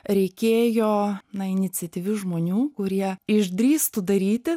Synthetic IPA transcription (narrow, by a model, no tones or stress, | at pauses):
ɾʲɛɪkʲeːjoːnɐɪnʲɪt͡ssʲɛt̪ʲiːʋʲʊʒmoːnʲuːkʊɾʲiɛɪʒd̪ʲɾʲiːst̪ʊd̪ɐɾʲiːt̪ʲɪ